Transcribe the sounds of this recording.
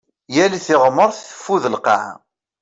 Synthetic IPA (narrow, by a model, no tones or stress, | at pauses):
jæliθɪʁməɾˤθθə̥fːuðəlqɑ̰ʕ̰